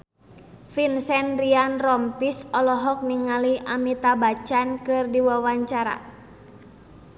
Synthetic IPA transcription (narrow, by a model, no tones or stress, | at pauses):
finsɛnrianrɔmpisɔlɔɦɔk̚niŋaliʔamit̪abat͡ʃankɨrdiwawaɲt͡ʃaɾa̰